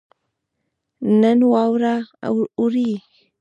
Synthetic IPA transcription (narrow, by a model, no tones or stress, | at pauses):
nənwawɾa̰uɾi